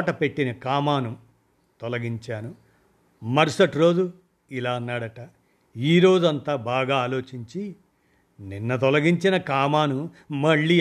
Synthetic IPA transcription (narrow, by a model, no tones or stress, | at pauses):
ʈɐpe̞ʈːinɐkaːmaːnu | t̪ɔlɐɡiɲt͡ʃaːnu | mɐɾsɐʈɾo̞ːd͡ʒu | ilaːɐnːaːɽɐʈɐ | iːɾo̞ːd͡ʒuɐnt̪aːbaːɡaːaːlo̞ːt͡ʃiɲt͡ʃi | ninːɐt̪ɔlɐɡiɲt͡ʃinɐkaːmaːnumɐɭːiː